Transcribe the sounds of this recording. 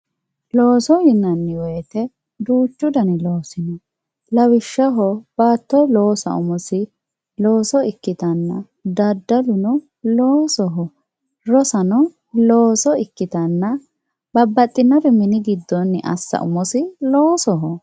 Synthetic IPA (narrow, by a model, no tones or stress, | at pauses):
loːsɔjɪnːɐnːɪwɔjt̪ɛ | d̪uːt͡ʃːʊd̪ɐnɪloːsɪnɐ | lɐwɪʃːɐɦɔb̥aːt̪ːɔlo̞ːsɐ̰ʊmɔsɪ | lo̞ːsɔɪkːɪt̪ɐnːɐ | d̪ɐd̪ːɐlʊnɔ | loːsɔɦɔ | ɾɔsɐnɔ | loːsɔɪkːɪt̪ɐnːɐ | b̥ɐbːɐt̪ʼːɪnːɐbɛmɪnɪɡɪd̪ːɔnːɪʔɐ̰sːɐ̰ʔʊmɔsɪloːsɔɦɔ